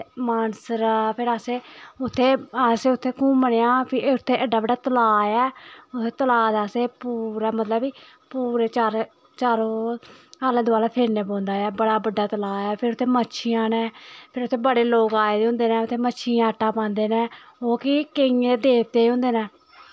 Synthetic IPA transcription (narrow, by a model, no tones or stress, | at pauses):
maːnsəɾapʰɪɾaseːʊt̪ʰːeːseːʊt̪ʰːeːkũːməɽeːãːpʰɪʊt̪ʰːeːʔəɖaːbəɖaːt̪əlaːɛːʊt̪ʰːeːt̪əlaːd̪aːseːpuːɾaːmət̪ləbiː | puːɾeːt͡ʃaːɾ | t͡ʃaːɾoːaːlãːd̪ʊaːlaːpʰeːɾneːpõːnd̪aːɛːbəɽaːbəɖːaːt̪əlaːɛːpʰɪɾʊt̪ʰːeːməːʃʰiãːneːpʰɪɾʊt̪ʰːeːbəɽeːloːkaːeːd̪eõːnd̪eːnɛ̃ːʊt̪ʰːeːməʃʰiãːəʈːaːpãːnd̪eːneːoːkikeĩːẽt̪eːd̪eːpt̪eːɦõːnd̪eːnɛː